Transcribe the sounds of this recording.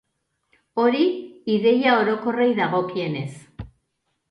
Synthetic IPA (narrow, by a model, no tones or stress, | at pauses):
o̞ɾiiðe̞jao̞ɾo̞ko̞rejðaɣ̞o̞kie̞ne̞s